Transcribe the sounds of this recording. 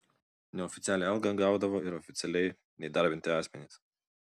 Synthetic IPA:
nʲɛɔfʲɪt̪sʲæːlʲɛɛlˠɡɐɡɑˑʊd̪ɐʋoːɪɾɔfʲɪt̪sʲɛlʲɛɪ | nʲɛɪd̪ɑˑɾʲbʲɪnt̪ʲɪɑːsʲmʲɛnʲɪˑs

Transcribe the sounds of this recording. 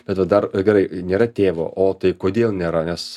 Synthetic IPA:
b̥ʲɛt̪ʋɐd̪ɐrɡʲɛɾɐɪnʲeːɾɐt̪ʲeːʋo̰ːʔoːt̪ɐɪkoːd̪ʲeːlˠnʲeːɾɐnʲɛs

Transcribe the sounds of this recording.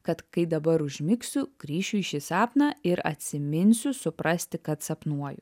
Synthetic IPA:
kɐt̪kɐɪd̪ɐbɐɾʊʒʲmʲɪksʲʊɡ̥ɾʲiːʃʲʊɪʃʲɪsɑːpnɐɪɾɐ̰t̪ʲsʲɪmʲɪnʲsʲʊsʊpɾɐsʲt̪ʲɪkɐt̪sɐpnuɔjʊ

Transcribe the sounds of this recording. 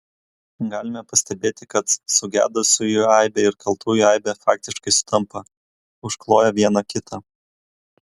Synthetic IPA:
ɡɑːlʲɪmʲɛpɐsʲt̪ʲɛbʲeːt̪ʲɪkɐt̪sʊɡʲæ̰ːd̪ʊsʲʊjuːɛˑɪbʲeːɪɾkɐlˠt̪ʰuːjʊɛɪbʲɛfɑːk̚t̪ʲɪʃkɐɪsʊ̥t̪ɐmpɐ | ʊʃklˠoːjɛʋʲiɛnɐkʲɪt̪ʰɐ

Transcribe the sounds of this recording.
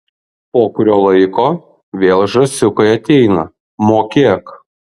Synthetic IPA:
poːkʊɾʲoːlˠɐɪkoː | ʋʲeːlˠʒɐsʲʊkɐɪɐt̪ʲɛɪnɐ | moːkʲeːk

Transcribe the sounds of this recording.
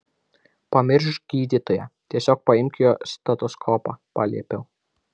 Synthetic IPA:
pɐmʲɪɾʲʃɡʲiːd̪ʲiːt̪ojɛt̪ʲiɛsʲoːk̚pɐɪmʲkʲɪjost̪ɐt̪ɔskʰɔːpɑpɑ̰ːlʲiɛpʲɛʊ

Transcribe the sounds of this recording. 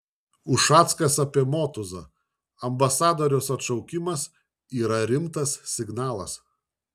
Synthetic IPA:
ʊʃɑːt̪skɐsɐpʲiɛmoːt̪ʊzɐ | ɐmbɐsɑːd̪ɔːɾʲɛʊsɐt̪ʃɐʊkʲɪmɐs | iːɾɐɾʲɪmt̪ɐssʲɪɡnɑːlˠɐs

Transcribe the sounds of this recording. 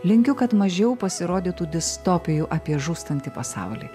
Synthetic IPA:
lʲɪŋʲkʲʊkɐt̪mɐʒʲɛʊpɐsʲɪɾoːd̪ʲiːt̪uːd̪ʲɪst̪oːpʲɪjuʔɐpʲiɛʒuːst̪ɐnʲt̪ʲɪpɐsɑ̰ːˑʊlʲḭː

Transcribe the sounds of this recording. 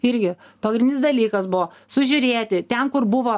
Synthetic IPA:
ɪɾʲɡʲɪ | pɐɡɾʲɪnʲɪsd̪ɐlʲiːkɐsbʊʋɔː | sʊʒʲʊɾʲeːt̪ʲɪt̪ʲɛnkʊɾbʊʋoː

